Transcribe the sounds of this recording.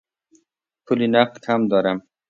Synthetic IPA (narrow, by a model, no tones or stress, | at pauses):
pʰulinaqt̪hamd̪ɔːɾam